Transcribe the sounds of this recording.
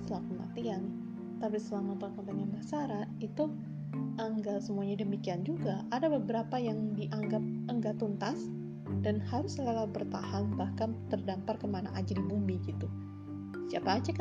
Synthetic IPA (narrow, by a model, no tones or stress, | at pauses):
səlakəma̰t̪ian | t̪apisəlamat̪akat̪aɲabasaɾait̪u | ʔəŋɡasəmuaɲadəmikiand͡ʒuɡaʔadabəbəɾapajaŋdiʔaŋɡap̚əŋɡat̪unt̪as | danhaɾʊsəlalabərt̪ahanbahkant̪ərdampar̚kəmanaʔad͡ʒɾibumiɡit̪u | siapaːd͡ʒak